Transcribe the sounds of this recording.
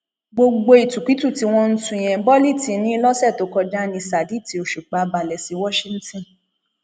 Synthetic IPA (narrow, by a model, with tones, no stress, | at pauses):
ɡ͡bo˧ɡ͡bo˧i˨tũ˨ki˨˦tu˦˨ti˧˦w̃ɔ̃˧n̩˦tũ˧˨j̃ɛ̃˨bɔ˦li˦˨ti˨˦nĩ˦˧˦lɔ˦sɛ˦˨to˨˦kɔ˧da˦nĩ˧sa˨di˨˦˨ti˨o˨ʃu˨k͡pa˨˦ba˨lɛ˨si˨˧˦wɔ˦ʃĩ˧n̩˦tɔ̃˦˨